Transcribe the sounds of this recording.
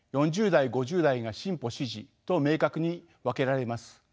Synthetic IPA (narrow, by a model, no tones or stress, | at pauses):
jõ̞ɲ̟d͡ʑɨːd̪aiɡo̞ʑɨːd̪aiɡaɕĩmpo̞ɕiʑit̪o̞me̞ːkakɯ̟ɲ̟i | βake̞ɾaɾe̞masɨ̥